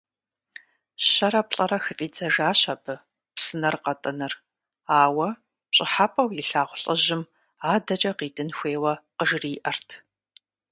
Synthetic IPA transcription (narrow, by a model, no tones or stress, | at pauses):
ɕɐɾɐpɬʼɐɾɐxɨfʼiːd͡zɐʒaːɕɐbʰɨ | psɨnɐrqɐtʼɐnɨr | aːwɐ | pɕʼɪħapʼɐwjiɪɬaːʁʷʊɬʼɐʑɪm | aːdɐt͡ʃʼɐqiːtʼɨnxʷeːwɐqəʒriːʔɐrtʰ